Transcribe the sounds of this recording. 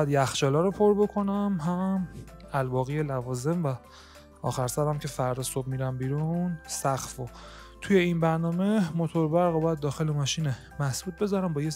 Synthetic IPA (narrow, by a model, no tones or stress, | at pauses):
bjæd̪jæxt͡ʃɒːlɒːɾopʰo̞ɾbo̞kʰo̞næmɦæmælbɒːɣijelævɒːze̞mvæ | ɒ̰ːxæɾsæɾæmcʰe̞fæɾd̪ɒːsob̚miɾæmbiːɾunsæxfo | t̪ʰuje̞inbæɾnɒːme̞mot̪ʰo̞ɾbæɾɣobɒjæd̪̚ːɒːxe̞lemɒːʃiːne | mæsbuːt̪̚be̞zɒːɾæmbɒːje